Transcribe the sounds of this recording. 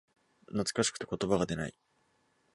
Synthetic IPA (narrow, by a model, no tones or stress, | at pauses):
nat͡sɨ̥kaɕi̥kɯ̟̥t̪e̞ko̞t̪o̞baɡad̪e̞na̰i